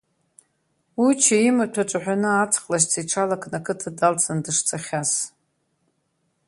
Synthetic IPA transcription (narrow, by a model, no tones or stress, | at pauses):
wut͡ʃʰaimatʷʰaʈ͡ʂʷʼaħᶣanɨat͡sʰqʼlaʃ̬t͡sʰiʈ͡ʂʰalakʰʼnakʰɨtʰadalt͡sʰandɨʂt͡sʰʼaχʲas